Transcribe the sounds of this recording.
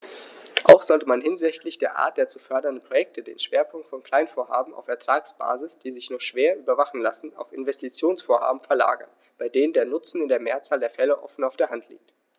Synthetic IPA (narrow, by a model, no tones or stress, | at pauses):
ʔa̰ʊxz̥ɔltəmanɦɪnzɪçtlɪçd̥eːɐʔa̰ːɐt̚d̥eːɐt͡sufœɐdɐndən̩pʁ̥ojɛk̚tʰədḛːnʃv̥eːɐpʰʊŋk̚tfɔnkl̥aɪnfoːɐɦa̰ːbm̩a̰ʊfɛɐtʁ̥aːksb̥a̰ːzɪsd̥iːzɪçnɔχʃv̥eːɐʔyːbɐvaχn̩lasn̩a̰ʊfɪ̰nvɛstit͡sjoːnsfoːɐha̰ːbm̩fɛɐla̰ːɡɐ̰n | b̥aɪdeːnəndeːɐnʊt͡sn̩ɪndeːɐmeːɐt͡saːldeːɐfɛləʔɔ̰fn̩aʊfd̥eːɐɦantʰlḭːk̚t